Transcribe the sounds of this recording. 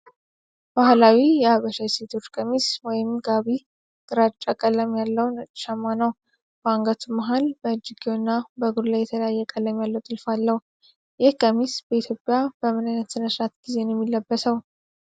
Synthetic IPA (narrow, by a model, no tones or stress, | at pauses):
b̥ahlawijɛhaβəʃase̞t̪ʰo̞t͡ʃːkʼəmiswɔjɪmɡaβi | ɡ̥ɨɾat͡ʃʼːakʼələmjalːəwnʼʃamːanəw | baŋɡət̪ʰuməɦalbəd͡ʒiɡenːabəɡud̪lajːɛt̪ʰələjajːɛkʼələmjalːəwt̪ʼɨlfalːəh | jɪhkʼəmisbəit̪ʰjo̞pʼːjabəmɨnajnət̪sɨnəsɾat̪ɡ̥ize̞njɛmːilːəbːəsəw